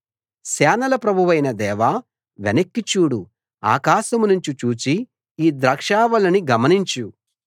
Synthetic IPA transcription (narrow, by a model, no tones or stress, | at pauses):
sɛːnɐlɐpɾɐbʱuʋɐjnɐd̪ɛːʋɐ | ʋenekːit͡ʃuːɽu | a̰ːkaːʃɐmunuɲt͡ʃit͡ʃuːt͡ʃi | iːd̪ɾɐkʂaːʋɐlɐniɡɐmɐniɲt͡ʃu